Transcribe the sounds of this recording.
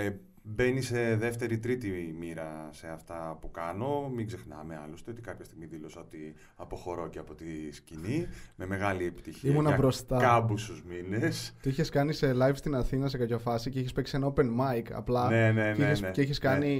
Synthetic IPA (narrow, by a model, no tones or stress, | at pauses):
be̞nise̞ðe̞ft̪e̞ɾit̪ɾit̪imiɾɐse̞ɐft̪ɐpukɐno̞miɡze̞xnɐ̰meɐ̰lost̪eo̞t̪ikɐpçɐst̪iɣmiðilo̞sɐot̪i | ɐpo̞xo̞ɾo̞ceɐpo̞t̪iscinime̞me̞ɣɐliepi̥t̪içiimunɐbɾo̞st̪ɐkɐbust̪uzminest̪iiçe̞skɐnise̞lɐjfst̪inɐθinɐs̬e̞kɐcofɐsice̞içespeksienope̞nmɐjkɐ̰plɐneneieesceiçe̞skɐni